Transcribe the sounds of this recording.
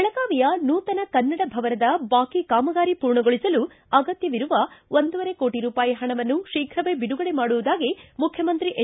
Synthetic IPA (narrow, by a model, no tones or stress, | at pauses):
ɭɐkaːʋijɐnuːt̪ɐnɐkɐnːɐɽɐbʱɐʋɐɾɐd̪ɐbaːkikaːmɐɡaːɾipuːɾɳɐɡoɭisɐlu | ɐɡɐt̪jɐʋiɾuʋɐʔond̪uʋɐɾe̞ko̞ːʈiɾuːpaːjiɦɐɳɐʋɐnːuʃiːkʰɾɐʋebiɽuɡɐɽe̞maːɽuʋud̪aːɡimukʰjɐmɐnt̪ɾiʔe